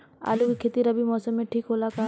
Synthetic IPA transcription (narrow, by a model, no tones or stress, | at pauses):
a̰ːlukikʰeːt̪iɾɐbʱimɔːsəmːẽʈʰiːkɦoːlaka